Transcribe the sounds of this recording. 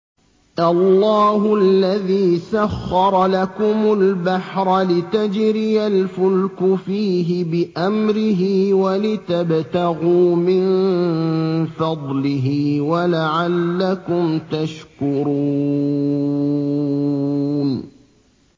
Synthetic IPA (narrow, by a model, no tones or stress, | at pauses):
ʔɑlːɑːɦʊlːaðiːsaxːɑɾˤlakʊmʊlbaħɾˤlɪt̪ad͡ʒɾɪjalfʊlkʊfiːɦɪbɪʔamɾɪɦiːwalɪt̪abt̪aɣuːmɪnn | fɑd̪ˤlɪɦiːwalaʕalːakʊmt̪aʃkʊɾu | n